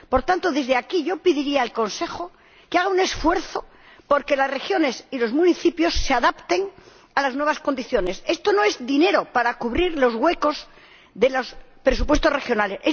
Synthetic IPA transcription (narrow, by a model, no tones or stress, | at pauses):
po̞ɾt̪ant̪oðe̞zðeakiʝo̞piðiɾiaːlko̞nse̞xo | keaɣ̞aune̞sfwe̞ɾθo̞ | po̞ɾke̞lasre̞xjo̞ne̞silo̞zmũniθipjo̞sːeaðapt̪e̞ŋ | alaznweβasko̞nd̪iθjo̞ne̞se̞st̪o̞no̞e̞zðine̞ɾo̞paɾakuβɾiɾlo̞zɣwe̞ko̞z | ðe̞lo̞spɾe̞supwest̪ore̞xjo̞nalese